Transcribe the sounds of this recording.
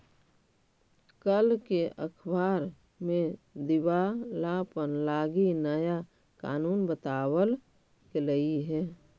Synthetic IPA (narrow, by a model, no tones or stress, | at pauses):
kəlkeʔəkʰbaːɾ | mẽd̪ɪwalaːpənlaːɡinəja | ka̰ːnuːnbət̪aːwəl | keləiɦɛː